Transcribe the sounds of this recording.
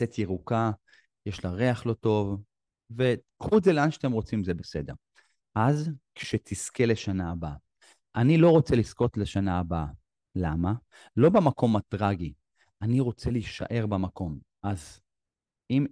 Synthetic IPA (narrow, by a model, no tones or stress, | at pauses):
tetjiʁuka | jeʃlaʁeaχlo̞to̞v | ve | kud͡zeleanʃat̪emʁo̞t͡simzebese̞de̞ʁ | azkʃet̪ʰiskele̞ʃanaːba | ʔanilo̞ʁo̞t͡selisko̞tleʃanaːba | lama | lo̞bemako̞matʁaɡi | aniʁo̞t͡seliʃa̰ʔe̞ʁbamako̞m | ʔaz | im